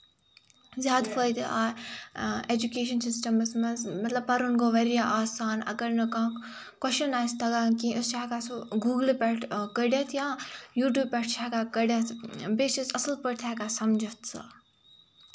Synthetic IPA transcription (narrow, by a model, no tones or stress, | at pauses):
zʲjaːd̪pʰəːd̪iaː | ed͡ʒukeːʃɐnsɪsʈɐmɐsmɐnzmɐt̪lɐbpɐɾunkoʋɐɾijaʔaːsaːnɐ̰ɡəɾnɐkãː | kwɐʃɐnaːjst̪ʰɐɡãːkiʊst͡ʃaɦkasoɡuːɡlpʲɐʈʰkəɽjɐt̪ʰjãːjuːʈ̬juːbpʲɐʈ̚ʰt͡ʃʰaːɦkakɐɽjɐt̪ʰbeːsisɐsəlpəɽt̪ʰakasɐmd͡ʒʱət̪ʰsɐ̰